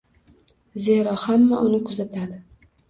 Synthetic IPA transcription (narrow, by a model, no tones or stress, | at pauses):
zeɾɒhamːaʔʊnɪkʰʊzat̪ʰad̪ɪ